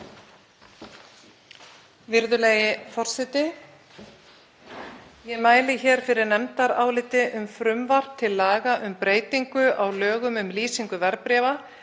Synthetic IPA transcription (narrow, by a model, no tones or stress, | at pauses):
vɪɾðʏleːjɪfɔr̥sɛt̪ɪ | jɛmaːjlɪçɛːɾ̥fɪɾɪɾnɛmt̪aɾaːwlɪt̪ɪʔʏmfɾʏmvar̥t̪ʰːɪlːaːɣaʔʏmpɾeːjt̪iŋkʏʔawlœːɣʏmʏmliːsiŋkʏvɛɾpɾɛːva